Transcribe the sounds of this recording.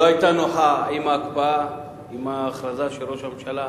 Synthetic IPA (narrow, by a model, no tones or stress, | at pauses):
ajt̪anoɦaimakba | imaχɾazaʃeɾoʃamt͡ʃʰala